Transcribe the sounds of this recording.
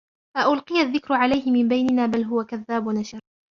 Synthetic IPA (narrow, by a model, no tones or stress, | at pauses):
ʔaʔʊlqɨjaðːɪkɾʊʕalajhɪmɪmbajnɪnaːbalɦʊwakaðːaːbʊnaʃɑɾˤ